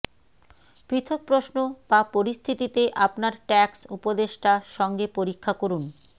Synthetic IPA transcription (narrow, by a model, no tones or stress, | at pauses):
pɾit̪ʰok̚pɾoʃnobapoɾist̪ʰit̪it̪eʔapnaɾʈɛksṵpod̪eʃʈaʃɔŋɡepoɾikʰːakoɾun